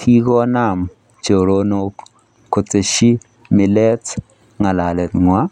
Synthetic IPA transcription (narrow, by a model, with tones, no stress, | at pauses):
tʰi˦ɡɔ˦na˦˨m | t͡ʃo˨ɾo˦no˦k | kːo˨t͡se˨ʃi˦ | mi˨lɛ˦t | ŋa˨la˨lɛ˨t̪ŋwa˦